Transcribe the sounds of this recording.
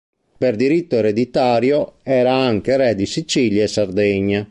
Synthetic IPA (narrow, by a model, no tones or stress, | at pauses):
perd̪iɾit̪ːoɛɾed̪it̪aːɾjoɛːɾaaŋk̟eɾɛd̪isit͡ʃiːljaɛsard̪ɛɲːa